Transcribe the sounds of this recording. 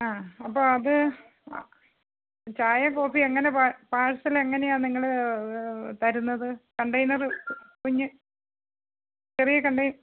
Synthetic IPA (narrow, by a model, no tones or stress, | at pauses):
aːɐpːoːɐðɨ | t͡ɕaːjɐko̞ːfieŋːɐne̞papaːɻsileŋːɐne̞jaːnniŋːɐɭ | t̪ɐɾunːɐðɨkɐɳɖɐjnɐrɨkuɲːɨ | t͡ɕerijɐkɐɳɖɐjn